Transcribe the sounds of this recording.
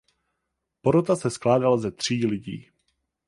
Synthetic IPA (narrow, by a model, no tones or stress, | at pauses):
poɾot̪asɛsklaːdalazɛt̪r̝̥iːlɪɟḭː